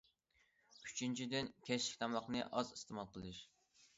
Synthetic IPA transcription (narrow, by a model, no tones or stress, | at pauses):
y̥t͡ʃʰint͡ʃʰid̪ɪnkʲʰɛt͡ʃlɪ̥kʲt̪ʰɑmɑχnɨ̰ʔɑzist̪ʰɨmɑlˠqəlˠɨʃ